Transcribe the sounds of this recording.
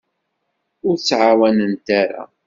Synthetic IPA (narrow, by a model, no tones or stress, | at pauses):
ʊɾt͡sːʕawænənt̪aɾa̰